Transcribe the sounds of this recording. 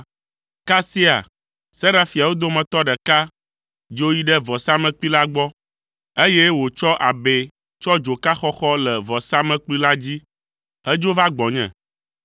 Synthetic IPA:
ka˦si˦a̰˨ | sɛ˦ɖa˦fi˨a˨wo˦d̪o˦mɛ̃˨t̪ɔ˦ɖɛ˨ka˦ | d͡ʒo˦ji˦ɖɛ˦vɔ˨sa˦mɛ̃˨k͡pi˦la˦ɡ͡bɔ˦ | e˦je˦wo˨t͡ʃɔ˦ʔa˨be˦ | t͡ʃɔ˦d͡ʒo˨ka˦xɔ˦xɔ˦lɛ˨vɔ˨sa˦mɛ̃˨k͡pli˦la˦d͡ʑi˦ | hɛ˦d͡ʒo˦va˦ɡ͡bɔ˨ɲɛ̰̃˨

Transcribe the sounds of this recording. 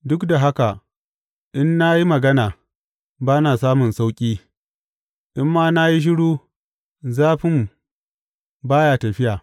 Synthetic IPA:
dʊ˦kda˨ɦa˦ka˨ | ʔɪ˦nːa˦ji˦mɐ˨ɡɐ˦naː˨ | baː˦naː˨saː˦mʊ˨nsa˦wkʲʼiː˦ | ʔɪ˦mːaː˦na˦ji˦ʃ̬ɪ˦ɽuː˦ | zaː˦ɸɪ˦m | baː˦jaː˨tɐ˨ɸɪ˦jaː˨

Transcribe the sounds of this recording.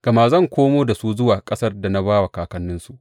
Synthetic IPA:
ɡ̥ɐ˨ma˨zɐ˦˨ŋkʷʰoː˦moː˦da˨su˦zʊ˦waː˨kʼɐ˦sɐ˦rda˨na˦baː˦wa˨kaː˨kɐ˦nːɪ˦nsu˦ʔ

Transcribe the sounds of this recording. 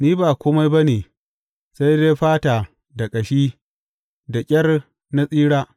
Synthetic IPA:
niː˦baː˨kʷʊ˦ma˦jbɐ˦neː˨ | sa˦jde˦ɸaː˦taː˨ | da˨kʼɐ˨ʃiː˦ | da˨kʲʼɐ˦r | na˦sʼiː˦ɽaː˦

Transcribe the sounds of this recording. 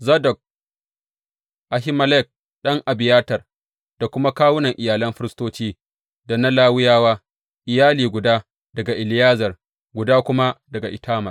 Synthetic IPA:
zɐ˦dɔ˨k̚ | ʔa˨ɦɪ˦mɐ˦lɛ˦˨k̚ | ɗɐ˦ŋʔa˨bɪ˨jaː˦tɐ˨r | d̥a˨kʷʊ˦ma˦kaː˦wʊ˦nɐ˨ŋʔɪ˨jaː˨lɐ˦mɸɪ˦ɾɪ˦stoː˦t͡ʃiː˦ | da˨nɐ˦laː˦wʊ˦jaː˦waː˦ | ʔɪ˨jaː˦liː˨ɡʷʊ˨daː˦ | dɐ˨ɡa˨ʔɪ˨lɪ˦jaː˦zɐ˨r | ɡʷʊ˨daː˦kʷʊ˦ma˦dɐ˨ɡa˨ʔɪ˨tʰaː˦mɐ˨r

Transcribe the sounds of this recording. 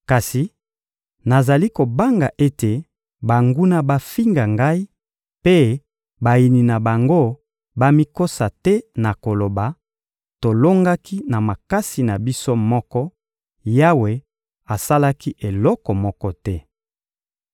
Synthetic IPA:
ka˨si˨ | na˨za˨li˦ko˨ba˦ŋɡa˨ʔe˦te˨ | ba˨ŋɡu˦na˦ba˦fi˦ŋɡa˨ŋɡa˦i˦ | pe˦ | ba˨ji˨ni˨na˨ba˨ŋɡo˦ | ba˦mi˦ko˦sa˨tɛ˦na˨ko˨lo˨ba˨ | to˨lo˦ŋɡa˦ki˦na˨ma˨ka˦si˨na˨bi˦so˦mɔ˦kɔ˦ | ja˦we˨ | a˨sa˦la˦ki˦ʔe˨lɔ˦kɔ˨mɔ˦kɔ˦tɛ˦

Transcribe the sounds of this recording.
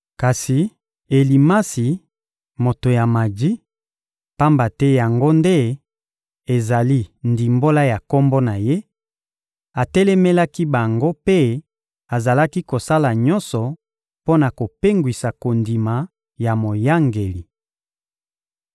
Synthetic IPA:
ka˨si˨ | e˨li˨ma˦si˨ | mo˨to˨ja˨ma˨di˦ | pa˦mba˨tɛ˦ja˨ŋɡo˦nde˦ | e˨za˨li˦ndi˨mbo˦la˦ja˨kɔ˦mbo˦na˨je˦ | a˨tɛ˦lɛ˦mɛ˦la˦ki˦ba˨ŋɡo˦pe˦ | a˨za˨la˦ki˦ko˨sa˦la˨ɲɔ˦nsɔ˨ | po˦na˨ko˨pe˦ŋɡwi˨sa˨ko˨ndi˨ma˨ | ja˨mo˨ja˦ŋɡe˨li˨

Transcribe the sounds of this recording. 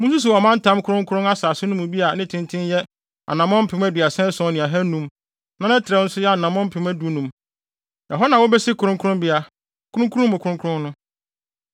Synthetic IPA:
mũ˦s̬u˦s̬u˨ɔ˨mã˦n̩˦tʰã˦m˦kʰʊ˦ɾʊ̃˦ŋkʰʊ˦ʊ̃˦a˦saː˨sʊ˦nʊ̃˦mũ˨bi˦a˨nɪ̃˦tʰɪ̃˦ntʰɪ̃˦njɛ˦ | a̰˨nã˨mɔ̃˦m̩˦pʰɪ̃˨m˦æ˦du˨a˨sɛ̃˦sɔ̃˨˦˨nɪ̃˨a˨ɦɛ˦nũ˦m | nã˦ɛ̃˦tʰɪ˨ɾɛ˦n̩˦sʊ˦jɛ˦a˨nã˨mɔ̃˦m̩˦pʰɪ̃˨˦mæ˦du˨˦nũ˨m | nã˨ɦɔ˦nã˨wɔ˦bɛ˦sɪ˦kʰʊ˨ɾʊ̃˦ŋkʰʊ˦ʊ̃˦mbɪ˦a˨ | kʰʊ˦ɾʊ̃˦kʰu˦ʊ̃˦mʊ̃˨kʰʊ˦ɾʊ̃˦kʰʊ˦ɾʊ̃˦nnʊ̃˦

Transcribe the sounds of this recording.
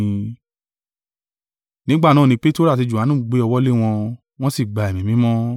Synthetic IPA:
nĩ˦ɡ͡ba˦˨nãː˦˨ĩ˧˦k͡pe˦to˦ɾa˦˨ti˧d͡ʒu˨a˨˦nũ˦˨ɡ͡be˨˦ɔ˧wɔ˦le˦w̃ɔ̃˧ | w̃ɔ̃˦si˦˨ɡ͡ba˨ɛ˨mĩ˨mĩ˨˦mɔ̃˦

